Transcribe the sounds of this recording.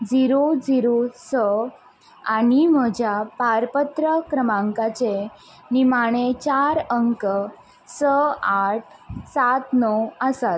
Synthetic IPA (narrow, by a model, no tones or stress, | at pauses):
d͡ziɾod͡ziɾosə | aɽ̃im̤əd͡ʑʱjapaɾpət̪ɾəkɾəmãŋkat͡ɕe | nimaɽ̃et͡ɕaɾəŋkə | səaʈ̚ʰsat̪nɔwəsat̪̚